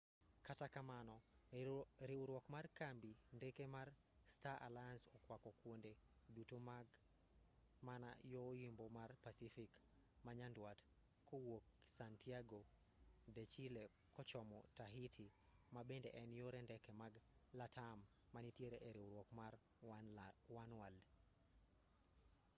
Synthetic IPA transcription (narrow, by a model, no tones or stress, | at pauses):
katakamanɔ | ɾiuɾwɔkmarkambi | ndekemar | staʔa̰lajansɔkwakɔkwonde | dutomaɡ | mana̰jɔjimbomarpasifik | maɲandwat | kʰowok̚ | santiaɡo | det͡ʃile | kɔt͡ʃɔmɔtaɦitʰi | mabendeʔɛnjoɾendɛkɛmaɡ | latʰamː | anitjeɾeʔeɾioɾwokmar | wanwald